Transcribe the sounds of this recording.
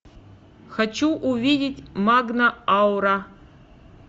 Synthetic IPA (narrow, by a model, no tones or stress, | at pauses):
xat͡ʃʰuʔuvʲidʲɪtʲmaɡnɐawɾa